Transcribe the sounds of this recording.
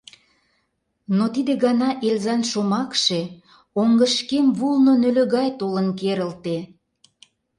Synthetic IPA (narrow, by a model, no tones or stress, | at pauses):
not̪id̪ĕɣɑnɑʔelzɑnʃomɑkʃe | oŋɡəʃkemβulnonølø̆ɣɑjt̪olənkeɾəlt̪e